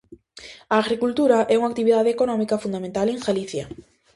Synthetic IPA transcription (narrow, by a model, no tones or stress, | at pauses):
aːɣɾikult̪uɾaʔɛuŋak̚t̪iβiðað̞ekonɔmikɐfund̪amẽnt̪aleŋxaliθja